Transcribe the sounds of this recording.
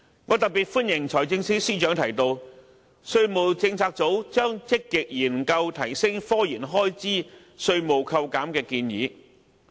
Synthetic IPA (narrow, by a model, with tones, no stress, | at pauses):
ŋɔː˨˧t̪ɐ˨k̚piː˨˩t̚fu˥njɪ˨˩ŋt͡ʃʰɔː˨˩jt͡sɪ˧ŋsiː˥siː˥t͡ʃœː˨˥ŋt̪ʰɐ˨˩jt̪o˧w | sɵ˧ɥmo˨wt͡sɪ˧ŋt͡sʰaː˧k̚t͡so˨˥wt͡ʃœː˥ŋt͡sɪ˥kːɪ˨k̚jiː˨˩nkɐ˧wt̪ʰɐ˨˩jsɪ˥ŋfɔː˥jiː˨˩nɦɔː˥jt͡siː˥ | sɵ˧ɥmo˨˩wkʰɐ˧wkaː˨˥mkɛː˧kiː˧njḭː˨˧